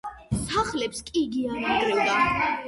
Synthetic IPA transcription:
saχlɛpskʼiːɡiaɾad̪ɾɛlˠd̪a

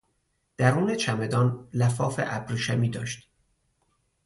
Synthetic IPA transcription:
d̪̥æɾuːnet͡ʃʰæme̞d̪ɒːnlæfɒːfḛʔæbɾiːʃæmiːd̪ɒːʃt̪

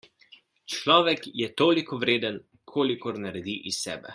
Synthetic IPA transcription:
t͡ʃlɔːʋɛkjɛt̪oːlikɔʋɾeːd̪ən | kʰoːlikɔɾnaɾɛd̪iʔisːɛ̰ːbɛ̰

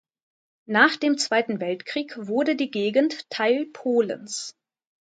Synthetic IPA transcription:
naːχd̥eːmt͡sv̥aɪtn̩vɛltkʁ̥iːkv̥ʊɐdədiːɡeːɡn̩tʰːaɪlpʰoːlə̰ns

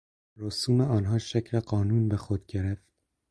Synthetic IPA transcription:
ɾoːsuːmeɒːnɦɑːʃækʰleqɒːnuːnbexod̪ɡʲeɾeft̪̚

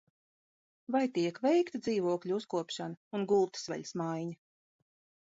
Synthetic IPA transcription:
vajt̪iɛkvɛjkt̪ad̪ziːvuɔkʎʲuuskuɔpʃanaunɡulˠt̪svɛ̰ʎʲsmajɲa

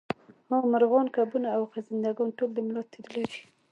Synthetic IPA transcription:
homaɾɣɑnkabunaːwqazɪnd̪aɡɑnʈold̪əmɪlɑt̪ːeɾəled͡ʒi̥

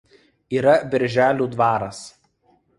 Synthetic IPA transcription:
iːɾɐbʲɪɾʲʒʲæːlʲuːd̪ʋɑːɾɐs

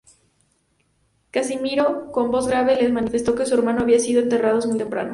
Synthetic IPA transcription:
kasimiɾoko̞mbo̞zɣɾaβ̞e̞le̞zmãnife̞st̪o̞ke̞sue̞ɾmãnoaβiasiðoe̞nt̪e̞raðo̞smujt̪empɾa̰no

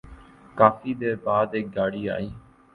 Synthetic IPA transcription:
kaːfiːd̪eːbaːd̪eːk̚ɡaːɽiːa̰ːiː

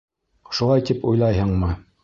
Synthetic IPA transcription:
ʃulˠɑjt̪ipujlˠɑjɦɤɴmɤ

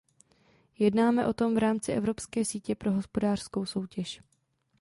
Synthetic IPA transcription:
jɛdnaːmɛʔo̞t̪o̞mvɾaːmt͡sɪʔɛvɾo̞pskɛːsiːcɛpɾo̞ɦo̞spo̞daːr̥sko̞wso̞wcɛʃ

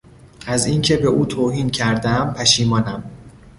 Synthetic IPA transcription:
ʔæzincʰe̞be̞ʔuːt̪ʰoːhiːncʰæɾd̪æmpʰæʃiːmɒːnæm

